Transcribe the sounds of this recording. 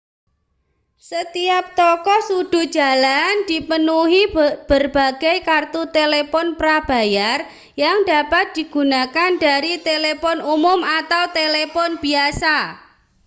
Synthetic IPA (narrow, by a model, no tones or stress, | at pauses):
sət̪iap̚t̪ɔkɔsud̥ṳd̥ʒ̥a̤land̥ipənuɦib̥ərb̥a̤ɡ̥ajkart̪ut̪elepɔnpɾab̥a̤jar | jaŋdapat̪̚d̪̥iɡ̥ṳnakandaɾit̪elepɔnumʊmat̪awt̪elepɔnb̥iasa